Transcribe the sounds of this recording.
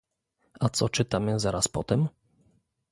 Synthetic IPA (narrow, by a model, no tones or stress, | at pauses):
at̪sɔt͡ʂɘt̪amɘzaɾaspɔt̪ɛm